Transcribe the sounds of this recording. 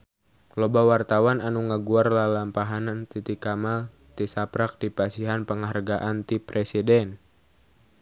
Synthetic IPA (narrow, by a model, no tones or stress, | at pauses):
lɔbawart̪awananuŋaɡuarlalampaɦanant̪it̪ikamal | t̪isapɾak̚dipasiɦanpəŋarɡaʔant̪ipɾʔɛsidɛn